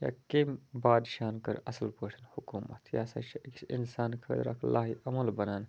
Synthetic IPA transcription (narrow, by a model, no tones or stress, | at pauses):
ja̰ːkembaːd̪ʃaːnkɐɾɐsɐlpoʂɐnhukuːmɐ̰t̪ʰja̰ːsɐ̰t͡ʃʰiʔkinsaːnkʰɐd̪ɾa̰ːklaːɦiɐmɐlbɐnaːn